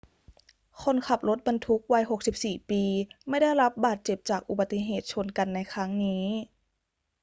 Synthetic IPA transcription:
kʰɔ˧˥˨nkʰa˨˧˩p̚lo˧˦˥t̪̚ba˧nt̪ʰu˦˥k̚wa˦˥jɦo˨˩k̚si˨˩p̚siː˨˩piː˨˧ma˥˩jda˥˩jɾa˦˥p̚baː˨˩t̪̚t͡ɕe˨˩p̚t͡ɕaː˨˩k̚ʔu˨˧ba˧t̪ːi˧˥ɦeː˨˩t̪̚t͡ɕʰo˧˥˨nka˨nːa˧˥jkʰɾa˦˥ŋniː˦˥

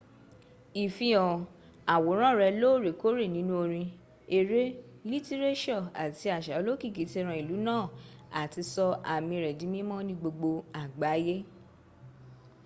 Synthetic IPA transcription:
i˨fĩ˧ɔ˨ | a˨wo˨˦ɾ̃ã˦˨ɾɛ˧lo˦ɾe˨ko˦ɾe˦˨nĩ˦nũ˦o˧ɾ̃ĩ˧ | e˧ɾe˦ | li˦ti˦ɾe˦ʃɔ˦˨a̰˨ti˧a˨ʃa˨˦lo˦ki˦˨ki˨˦te˦˧˦ɾ̃ã˧˨i˨lu˨˦nãː˦˨a˨ti˧sɔ˧ʔa˨mĩ˧ɾɛ˨dĩ˨˦mĩ˦mɔ̃˦nĩ˧˦ɡ͡bo˧ɡ͡bo˧a˨ɡ͡ba˨˦je˦

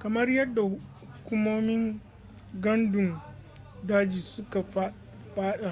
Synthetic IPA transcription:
kɐ˨mɐ˦rjɐ˦dːa˨hʊ˦hku˦moː˦mɪ˦ŋ | ɡɐ˦ndʊ˨ŋ | daː˦d͡ʒiː˨sʊ˦ka˨˦ | ɸaː˦ɗa˨

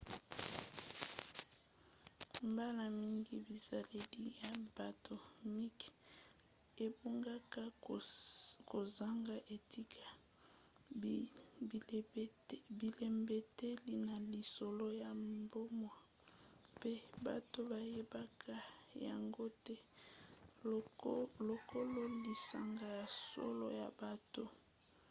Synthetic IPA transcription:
mba˦la˨mi˦ŋɡi˦bi˨za˨le˦li˦ja˨ba˨tʰo˨mi˦k | e˨bu˦ŋɡa˦ka˦ | ko˨za˦ŋɡa˦ʔe˨ti˦kʰa˨˦ | bi˨le˨mbe˨te˦li˦na˨li˨so˨lo˦ja˨mbo˦mwa˨ | pe˦ba̰˨to˦ba˨je˦ba˦kʰa˦ja̰˨ŋɡo˦tɛ˦ | lo˨kʰo˦lo˦li˨sa̰˨ŋɡa˦˨ja˨so̰˦lo̰˦ja̰˨ba˦to˦

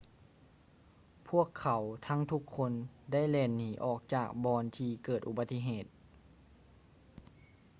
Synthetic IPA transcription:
pʰu˥˩əkʰːa˩˦wt̪ʰa˧˥ŋt̪ʰu˧˥kʰːo˧˥nda˥˩˨jlɛː˧˩nːiː˩˦ʔɔː˨˩k̚t͡ɕaː˨˩k̚bɔː˧nt̪ʰiː˧kɤː˨˩t̪ʔu˧ba˧t̪ːi˧˥ɦeː˨˩t̪̚

